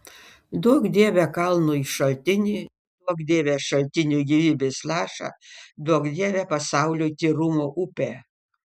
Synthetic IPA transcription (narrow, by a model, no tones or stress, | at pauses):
d̪uɔkd̪ʲeːʋʲɛkɐlˠnuːiʃɐlʲt̪ʲɪnʲiː | d̪uɔkd̪ʲeːʋʲeʃɐlʲt̪ʲɪnʲuːɡʲiːʋʲiːbʲeːslˠɑːʃɑ̰d̪uɔkd̪ʲeːʋʲɛpɐsɑˑʊlʲut̪ʲiːɾʊmoːʔʊpʲeː